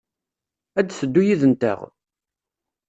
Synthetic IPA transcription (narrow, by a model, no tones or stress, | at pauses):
æd̪θəd̪ːujiðənt̪ə̰ʁ